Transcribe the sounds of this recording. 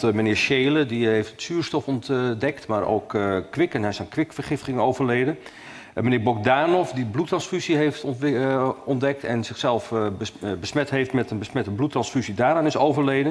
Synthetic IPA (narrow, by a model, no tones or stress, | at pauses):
tmənɪːɹʃeːlədiɦejftətsyːɹstɔfɔndɛktmaːɾo̰wkːʋɪkənɛsɛnkʋɪkfərχɪfɪŋowvərleːdən | mənɪːbɔk̚daːnɔfdiblutrɑnsfysiɦejft | ɔndɛk̚tɛnzɪxsɛlˠfbəsmɛtɦejftmɛtənbəsmɛtəblutrɑnsfyzidaːɾaːnɪsowvərlejdən